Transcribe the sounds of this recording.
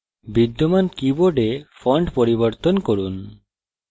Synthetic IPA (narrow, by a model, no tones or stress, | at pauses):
bid̪ːomankiboɖefʰɔɳɖpoɾiboɾt̪onkoɾun